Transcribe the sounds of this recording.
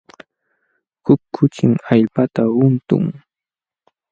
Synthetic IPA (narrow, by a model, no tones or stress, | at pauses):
hʊkʰːʊt͡ʃɪŋaʎpat̪aʊnt̪ʊ̰ŋ